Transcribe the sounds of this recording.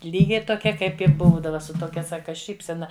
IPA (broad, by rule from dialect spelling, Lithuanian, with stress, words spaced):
ˈlʲiːɡʲɛɪ toːˈkʲɛ ˈkɐɪp ɪ ˈbuːdɐʋɐ sʊ toːˈkʲɛ ˈsɑːkɐ ˈʃʲiːpʲsʲɛnɐ